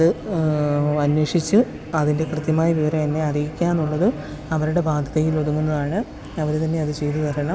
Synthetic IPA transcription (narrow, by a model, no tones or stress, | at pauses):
ɐðɨ | ɐnweːʂit͡ɕːɨ | ɐðinde̞krɨt̪jɐmaːjɐʋiʋɐɾɐmenːeɐrijikʲːaːnuɭːɐðɨ | ɐʋɐɾuɽe̞baːd̪ʱɐðɐjiloðuŋːunːɐðaːɳɨ | ɐʋɐɾt̪ɐnːe̞ɐðɨt͡ɕe̞jt̪uʋɐɐɳɐm